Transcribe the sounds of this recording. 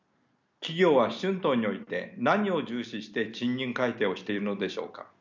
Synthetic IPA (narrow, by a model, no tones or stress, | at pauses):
kʲiɡʲo̞ːβaɕɨ̃nt̪o̞ːɲ̟ːio̞it̪e̞naɲ̟io̞d͡ʑɨːɕiɕi̥t̪e̞ɕĩɲːĩŋkait̪e̞ːo̞ɕi̥t̪e̞iɾɯ̟no̞d̪e̞ɕo̞̰ːka̰